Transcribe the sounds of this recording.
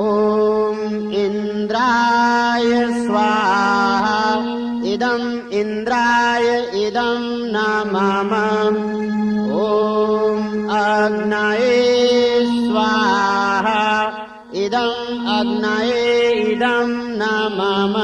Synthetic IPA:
oːm | in | d̪ɾaːjɐsʋaːɦɐ | id̪ɐm | ind̪ɾaːjɐ | id̪ɐm | naːmaːmɐ | oːmɐɡnajeːsʋaːɦɐ | id̪ɐmɐɡnajeid̪ɐmnaːmaːmɐ

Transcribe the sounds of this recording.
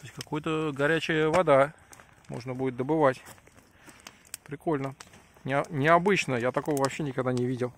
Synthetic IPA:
t̪osʲkɐkojʊt̪əɡɐɾʲæt͡ɕɪjəvɐd̪a | mo̰ʐnəbudʲɪt̪̚d̪əbɨvatʲ | pɾʲɪko̞lʲnə | nʲɪɐnʲɪɐbɨt͡ɕnəjat̪ɐko̞vəvɐpɕːenʲɪkɐɡd̪anʲɪvʲidʲɪlˠ

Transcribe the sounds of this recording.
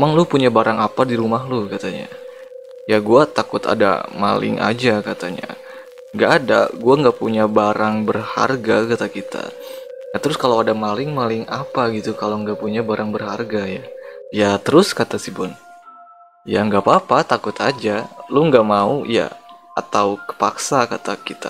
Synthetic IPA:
maŋlʊpuɲabaɾaŋapadiɾumahlʊkat̪aɲa̰ | jaɡuat̪akʊt̪a̰da̰ma̰lɪ̰ŋʔa̰d͡ʒakat̪aɲa̰ | ŋɡaʔːda̰ɡuaŋɡapuɲabaɾaŋbərha̰rɡakat̪akit̪ʰa̰ | jat̪əɾʊskalawadamalɪŋmalɪŋapaɡit̪ukalawŋɡapuɲabaɾʔaŋbərharɡajajat̪əɾʊskat̪asibʊn | jaŋɡapapat̪akʊt̪ʰad͡ʒaluŋɡamauja̰at̪awkə̥paksakat̪akit̪a̰

